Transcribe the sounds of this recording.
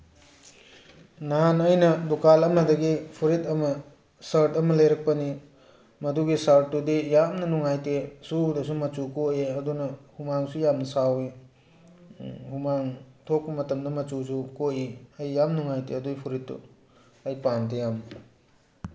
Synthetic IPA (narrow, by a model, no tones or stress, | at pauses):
nanɐjnɐdukalɐmɐdɐɡipʰuɾitɐmɐ | saɾtɐmɐlɐjɾɐk̚pɐni | mɐduɡisaɾtːudijamnɐnuŋajtesuldɐsumɐt͡ʃukoeɐdunɐhumaŋsujamnɐsawi | humaŋtʰok̚pɐmɐtɐmdɐmɐt͡ʃusukoʔiɐjːamnuŋajteɐduɡipʰuɾitːṵ | ɐjpantɐjami